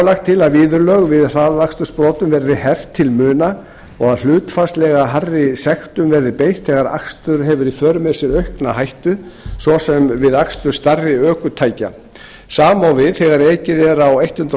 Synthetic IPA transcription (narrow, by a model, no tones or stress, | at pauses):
laxt̪ʰːɪlaðviːðʏɾlœɣvɪðr̥aːððakst̪ʏ̥spɾɔːt̪ʏmvɛɾðɪhɛft̪ʰːɪlmʏːna | ɔɣaðl̥ʏːt̪fast̪lɛɣaɦarːɪsɛxt̪ʏmvɛɾðɪpejht̪ʰɛɣaɾa̰kst̪ʏɾ̥ɦɛvʏɾifœːɾʏmɛsɛɾœɥhknaɦajht̪ʏsvɔsɛmvɪðakst̪ʏ̥st̪arːɪœːkʏt̪ʰaːjca̰ | saːmawvɪðθɛɣaɾeːcɪðɛɾawejht̪hʏnt̪ɾ